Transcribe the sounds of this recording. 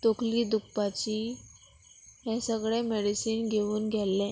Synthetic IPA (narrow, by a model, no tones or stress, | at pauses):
t̪okliːd̪ukpat͡ɕi | ɦɛ̃səɡɭɛmeɽisiːnɡʱeʋuːnɡʱɛlːɛ̃